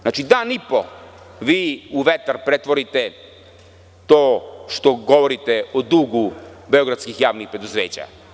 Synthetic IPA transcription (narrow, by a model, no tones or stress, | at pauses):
aːt͡ʃid̪aːnipo | ʋiːuʋet̪aɾpɾet̪ʋoɾit̪ɛ | t̪oːʃt̪oɡoʋoɾit̪ɛod̪uɡubeoɡɾat̪skixjaːʋnixpɾed̪uzeːt͡ɕa̰